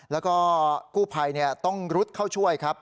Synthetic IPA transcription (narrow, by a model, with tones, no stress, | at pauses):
lɛː˦˥wkɔː˥˩kuː˥˩pʰa˧jni˥˩ɐt̪ɔ˥˩ŋɾu˦˥t̪̚kʰa˥˩wt͡ɕʰu˥˩əjkʰa˦˥p̚